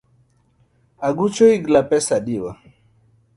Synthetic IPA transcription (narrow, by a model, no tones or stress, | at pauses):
aɡut͡ʃɔiɡlapɛsaɗiwa